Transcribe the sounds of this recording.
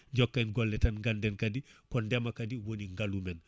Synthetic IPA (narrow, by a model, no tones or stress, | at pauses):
ɲd͡ʒɔkːainɡɔlːɛtanŋɡandɛnkadikɔndɛmakɐdiwoniŋɡalumɛn